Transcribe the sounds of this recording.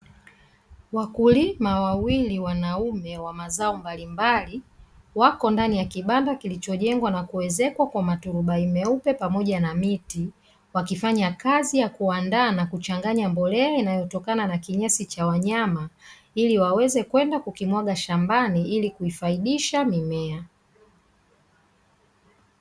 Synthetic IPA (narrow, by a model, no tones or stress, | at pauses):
wakulimawawiliwanaumɛwamazaɔmbalimbaliwakɔndanijakiɓandakilit͡ʃɔʄɛŋɡwanakuwɛzɛkwakwamatuɾuɓaimɛupɛpamɔʄanamiti | wakifaɲakazijakuandaːnakut͡ʃaŋɡaɲambɔlɛainajɔtɔkananakiɲasit͡ʃawaɲama | iliwawɛzɛkwɛndakukimwaɠaʃambaniilikuifaiɗiʃamimɛa